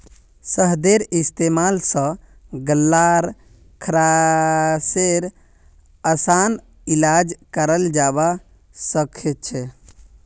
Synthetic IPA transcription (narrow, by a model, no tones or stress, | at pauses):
səɦd̪eɾist̪emalsə̃ | ɡəlːaɾ | kʰɾa | seɾ | əsan | ilad͡ʒkəɾəld͡ʒaba | səkʰet̪̚t͡ʃʰɛ